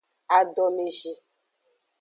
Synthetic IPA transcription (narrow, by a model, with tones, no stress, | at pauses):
a˨ɖɔ˨me˨ʒi˦